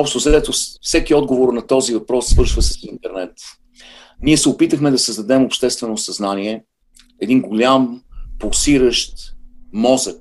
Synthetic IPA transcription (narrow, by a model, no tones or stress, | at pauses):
ɔpʃt̪ʊzɐɛt̪ofsɛkiɔd̪ɡovoɾnɐt̪ɔzivɐpɾɔsːvɤɾʃvəsəsint̪ɛɾnɛt̪ | niɛsɛʊpit̪əxmɛd̪ɐsəzd̪ɐd̪ɛmopʃt̪ɛst̪vɛnosɐznaniɛ | ɛd̪inɡʊlʲampolˠsiɾəʃt̪mɔzək